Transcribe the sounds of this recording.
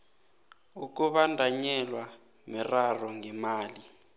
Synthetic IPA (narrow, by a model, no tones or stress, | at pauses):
uk̬uɓandʱaɲɛlwa | mɛrarɔŋɛmaːli